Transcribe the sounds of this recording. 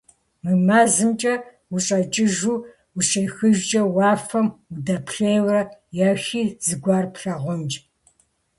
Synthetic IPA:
mɨmaːzɨmt͡ʃʼɐ | wuɕʼɐt͡ʃʼɪʒuː | wuɕɐjxɨʒt͡ʃʼɐwɑːfɐmudɐpɬejwrɐjɐxiːz̥ɨɡʷɑːrpɬɐʁʷɔnt͡ʃʼ

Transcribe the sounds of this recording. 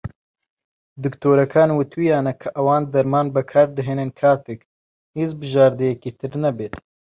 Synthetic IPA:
d̪ɨkt̪ʰoːɾɐkʰaːnwut̪ʰwijaːnɐkʰɐʔɐwaːnd̪ɐɾmaːnbɐkʰaːɾd̪ɨɦeːnɨnkʰaːt̪ɨk | hiːzbɨʒaːɾd̪ɨjɛkit̪ʰɨɾnɐbeːt̪

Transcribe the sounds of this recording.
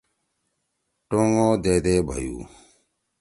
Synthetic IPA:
ʈoːŋoːd̪eːd̪eːbʱə̰jṵː

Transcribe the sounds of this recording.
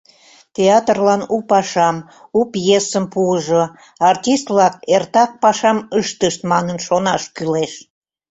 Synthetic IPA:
t̪ʲeɑt̪rlɑnupɑʃɑm | upjesəmpuəʒo | ɑrtʲist̪vlɑkert̪ɑk̚pɑʃɑməʃt̪əʃt̪mɑnənʃonɑʃkyleʃ

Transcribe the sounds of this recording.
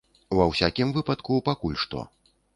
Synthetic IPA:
wɐwsʲakʲimvɨpɐt̪kupakulʲʂt̪ɔ̰

